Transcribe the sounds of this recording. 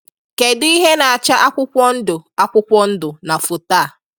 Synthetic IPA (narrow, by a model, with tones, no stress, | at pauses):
ke˨di˦i˦ɦe˦na˨a˨t͡ʃa˦ʔa˦kʷʊ˦kʷɔ˦n̩˦dʊ˨a˦kʷʊ˦kʷɔ˦n̩˦dʊ˨na˨fʊ˨taː˦˨